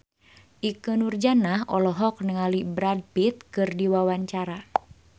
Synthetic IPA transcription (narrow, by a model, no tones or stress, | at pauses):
ʔikənurd͡ʒanaɦɔlɔɦɔk̚nəŋalibɾad̚pit̪̚kɨrdiwawaɲt͡ʃaɾa